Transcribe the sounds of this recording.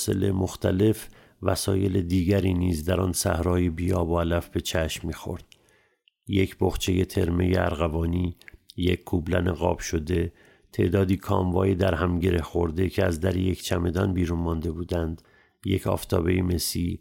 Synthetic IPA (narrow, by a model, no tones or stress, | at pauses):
se̞̰lemoxt̪ʰæle̞f | væsɒːjeled̪iːɟæɾiːniːzd̪æɾɒnsæ̰hɾɒːjebiːɒːboælæfbe̞t͡ʃʰæʃmːiːxo̞̰ɾd̪̥ | je̞cʰboxt͡ʃʰe̞je̞t̪ʰe̞ɾme̞jeæ̰ɾɣævɒːniːjecʲʰkʰːublæ̰neɣɒːb̥ʃo̞d̪e̞ | t̪ʰe̞̰ʔd̪ɒːd̪iːkʰɒ̰ːmvɒːjed̪æɾhæmɟe̞ɾe̞hxo̞ɾd̪e̞cʰeæzd̪æɾije̞cʰt͡ʃʰæme̞d̪ɒːnbiːɾunmɒnd̪e̞buːd̪ænd̪ | je̞cʰɒ̰ːft̪ʰɒːbe̞jime̞siː